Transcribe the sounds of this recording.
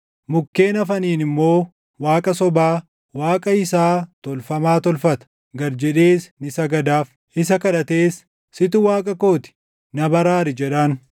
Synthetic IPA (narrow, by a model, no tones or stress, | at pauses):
mʊkːe̞ːnɐfɐniːnɪmːo̞ː | waːkʼɐsɔbaː | waːkʼɐɪsaːt̪ɔlfɐmaːt̪ɔlfɐt̪ɐ̥ | ɡɐɾd͡ʒɛᶑeːsnɪsɐɡɐd̪aːf | ɪsɐkɐᶑɐt̪eːsː | ɪt̪ʊwaːkʼɐko̞ːt̪ɪ̥ | nɐbɐɾaːɾɪd͡ʒɛᶑɐn